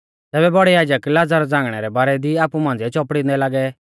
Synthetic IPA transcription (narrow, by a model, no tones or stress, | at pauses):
t̪ɛːbɛbɔɽɛjaːd͡ʒəklaːd͡zaɾd͡zãːŋɡɽ̃ɛɾɛbaːɾɛd̪iaːpumãːnd͡zɛt͡ʃɔːpɽĩnd̪ɛlaːɡɛ